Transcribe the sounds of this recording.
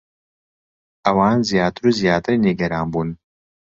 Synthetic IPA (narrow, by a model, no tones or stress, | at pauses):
ʔɐwaːnzijaːt̪ɨɾuːzijaːt̪ɨɾniɡɐɾaːnbuːn